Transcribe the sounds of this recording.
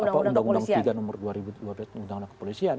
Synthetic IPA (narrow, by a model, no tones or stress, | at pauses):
apandaŋɡundaŋiɡanɔmʊrduaɾibuduablasɡundaŋunakə̥polisian